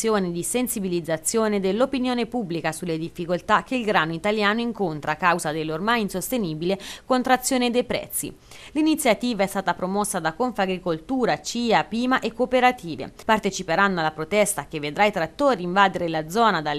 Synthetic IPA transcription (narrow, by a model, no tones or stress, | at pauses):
joːned̪isensibilid̪zːat̪sːjoːned̪elːopinjoːnepubːlikasulːed̪ifːikolt̪ak̟ːeilɡɾaːnoit̪aljaːnoiŋkont̪ɾaːkawzad̪elːormajinsost̪eniːbilekont̪ɾat̪sːjoːned̪ejpɾɛ̰t̪sːḭ | linit̪sːjat̪iːvaɛst̪aːt̪apɾomɔsːad̪akoɱfaɡɾikolt̪uːɾat͡ʃiːapiːmaʔekːopeɾat̪ʰiːvḛpart̪et͡ʃipeɾanːoalːapɾot̪ɛst̪ak̟evːed̪ɾait̪ɾat̪ːoːɾiiɱvaːd̪eɾelad̪zɔːnad̪al